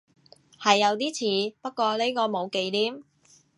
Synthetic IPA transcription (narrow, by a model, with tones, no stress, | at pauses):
hɐ˨jːɐ˨˧wt̪̬iː˥t͡sʰiː˨˧pɐ˥t̚kʷɔː˧le˥jkɔː˧mo˨˧wke˨˧jt̪iː˥m